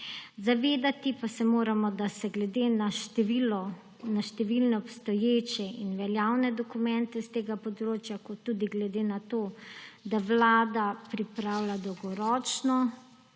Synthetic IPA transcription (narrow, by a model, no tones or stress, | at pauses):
zaʋeːd̪at̪ipasɛmoːɾamɔd̪asɛɡlɛd̪eːnaʃilɔ | naʃt̪ɛʋilnɛɔpst̪ɔjeːt͡ʃɛinʋɛljaːwnɛd̪ɔkumɛnt̪ɛst̪eːɡapɔd̪ɾoːt͡ʃjakɔt̪ːud̪iɡlɛd̪eːnat̪oːd̪awlaːd̪apɾipɾaːwlad̪ɔwɡɔɾɔːt͡ʃnɔ